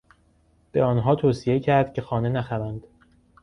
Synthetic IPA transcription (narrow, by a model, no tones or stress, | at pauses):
b̥e̞ɒːnɦɒːt̪ʰoːsije̞cʰæɾd̪̥̚cʰʲe̞xɒːne̞næxævænd̪̥